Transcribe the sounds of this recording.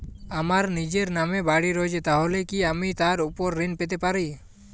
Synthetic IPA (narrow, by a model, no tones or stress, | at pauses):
amaɾnid͡ʒeɾnamɛbaɽiɾɔjd͡ʒɛt̪aɦɔlekiamit̪aɾupɔɾːinpɛt̪ɛpaɾij